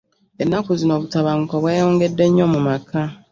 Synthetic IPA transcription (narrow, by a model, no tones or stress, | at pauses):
enːakuzino̞ːβutaβaŋukoβweːjo̞ːŋɡe̞dːe̞ɲːomumakʰa